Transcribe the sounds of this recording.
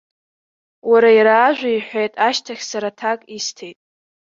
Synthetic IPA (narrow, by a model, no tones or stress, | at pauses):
waɾaiɾaːʒᶣʷaiħʷejtʼaʃtʰaχʲsaɾatʰakʼistʰe̞jtʼ